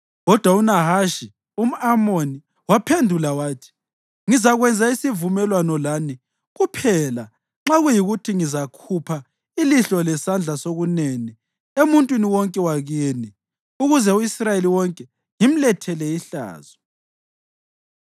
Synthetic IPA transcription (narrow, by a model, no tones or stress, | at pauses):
ɣɔd̥ʱwaunaɦaʃi | um̩amoni | wapʰendʱulawaːtʰi̥ | ŋizaɣwɛnd͡zʱaisivumɛlwanɔlaːni | ɣupʰɛla | ŋ͡ǁaɣujiɣutʰiŋizakʰupʰa | iliɬɔlɛsand͡ɮʱasoɣuneni | emuntʼwiniwɔŋkʼɛwaɣeni | uɣuzɛuisrajeliwɔŋkʼɛ | ŋim̩lɛtʰɛlɛiɬa̰ːz̥ɔ